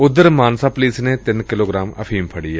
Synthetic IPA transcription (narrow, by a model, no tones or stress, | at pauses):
ʊd̪ːəɾmaːnsaːpliːsneːt̪ɪnkɪloːɡɾaːmə̰pʰiːmpʰəɽiːɛː